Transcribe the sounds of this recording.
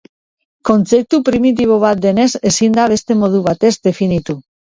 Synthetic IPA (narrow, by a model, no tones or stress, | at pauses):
ko̞nt͡se̞p̚t̪upɾimit̪iβ̞o̞β̞at̪̚d̪e̞ne̞se̞sind̪aβe̞st̪e̞mo̞ð̞uβ̞at̪e̞zd̪e̞finit̪u